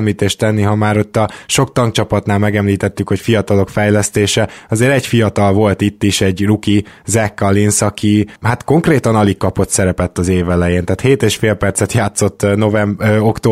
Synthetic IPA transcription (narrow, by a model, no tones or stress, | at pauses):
mliːt̪eːʃt̪ɛnːiɦɒmaːɾo̞t̪ːɒʃo̞kt̪ɒŋkt͡ʃɒpɒt̪naːlmɛɡɛmliːt̪ɛt̪ːykho̞cfijɒt̪ɒlo̞kfɛjlɛst̪eːʃɛɒzeːɾɛɟfijɒt̪ɒlvo̞lt̪it̪ːiʃɛɟrukizɛkːɒlinsɒkʰihat̪ko̞ŋkreːt̪ɒnɒlikːɒpo̞t̪sɛɾɛpɛt̪ːɒzeːvɛlɛjeːnt̪ɛːt̪heːt̪eːʃfeːlpɛrsɛt̪jaːt̪so̞t̪ːno̞vɛmokt̪oː